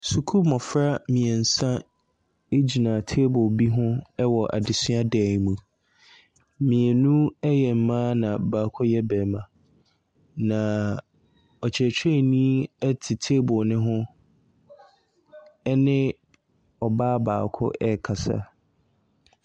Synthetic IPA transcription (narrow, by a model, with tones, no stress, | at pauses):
su˨kʰu˦mɔ̃˨fɾa˦mĩ˨ɛ˨n̩˨sã˦ | e˦d͡ʑi˨nã˨tʰe˦bʊ˨bi˦ɦʊ̃˦ɛ˦wɔ˨ʔa̰˨dɪ˨sɪ˦a˦dɛː˨ŋ˨mũ˨ | mĩ˨ɛ˨nũ˦ɛ˦jɛ˨m̩˨mãː˦nã˨baː˨kʰʊ˦jɛ˦bɛː˨mã˨ | nã˨ | ɔ˨t͡ɕʰɛ˨t͡ɕʰᶣɛ˦˨nĩ˦ɛ˦tʰɪ˨tʰe˦bʊ˨nɪ̃˦ɦʊ̃˦ | ɛ˦nɪ̃˦ | ɔ˨baː˦ba̰ː˨kʰʊ̰˦ʔɛ˦˨kʰa˨sa̰˦